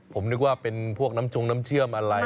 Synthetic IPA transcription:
pʰo˩˦mnɯ˦˥k̚waː˥˩pe˧npʰu˥˩ək̚na˦˥mt͡ɕʰo˧ŋnaː˦˥mt͡ɕʰɯ˥˩əmʔa˧ɾa˧

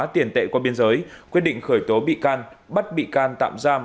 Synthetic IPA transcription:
t̪i˨˧˩ənt̪ḛ˧˨kwa˧˩ɓi˧ənzəː˨˦jkwi˦˥ɗḭ˧˨ŋ̟xəː˧˩jt̪o˨˦ɓḭ˧˨kaː˧n | ɓə˦˥t̚ɓḭ˧˨kaː˧nt̪a̰ː˧˨mzaː˧m

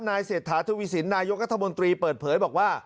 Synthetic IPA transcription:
naː˧jseː˨˩t̪ʰːaː˩˦t̪ʰu˧wi˦˥si˩˦nːaː˧jo˦˥k̚ɾa˦˥t̪ʰːmo˧nt̪ɾiː˧pɤː˨˩t̪̚pʰɤː˩˦jbɔː˨˩k̚waː˥˩

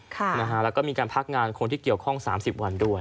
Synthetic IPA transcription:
kʰa˥˩na˦˥kʰa˦˥lɛ˦˥wkɔː˥˩miː˧kaː˧npʰa˦˥k̚ŋaː˧nkʰo˧nt̪ʰiː˥˩ki˨˩əwkʰɔ˥˩ŋsa̰ː˩˦msi˨˩p̚wa˧ndu˥˩əj

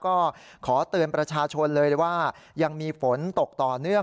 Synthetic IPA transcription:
kɔː˥˩ | kʰɔː˩˦t̪ɯ˧ənpɾa˧t͡ɕʰaː˧t͡ɕʰo˧nlɤː˧waː˥˩ | ja˧ŋmiː˧fo˩˦nt̪o˨˩k̚t̪ɔː˨˩nɯ˥˩əŋ

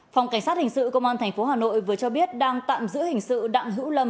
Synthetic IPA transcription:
fa˨˩wŋ͡mka˧˩jŋ̟saː˦˥t̚hï˨˩ŋ̟sɨ̰˧˨kə˧wŋ͡mʔaː˧nt̪ʰɛ˨˩ŋ̟fo˨˦ɦaː˨˩no̰˧˨jvɨ˨˩ət͡ɕɔ˧ɓi˦˥ət̚ɗaː˧ŋt̪a̰ː˧˨mzɨ̰˧˥əhï˨˩ŋ̟sɨ̰˧˨ɗa̰˧˨ŋɦɨ̰˧˥wlə˧m

